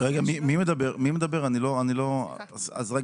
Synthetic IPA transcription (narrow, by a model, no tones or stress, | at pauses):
ʁeɡamimime̞d̪abe̞ʁmimed̪abe̞ʁanilo̞anilo̞a̰za̰zʁe